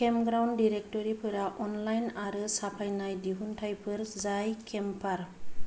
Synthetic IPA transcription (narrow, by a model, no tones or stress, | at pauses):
kemɡɾawndiɾek̚tɔɾipʰɯɾaʔɔnlajnaɾɯsapʰajnajdiɦuntʰajpʰɯɾzajkʰɛmpʰaɾ